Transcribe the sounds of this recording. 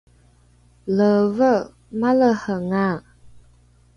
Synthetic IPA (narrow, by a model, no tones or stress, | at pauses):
ləvə | maləhəŋa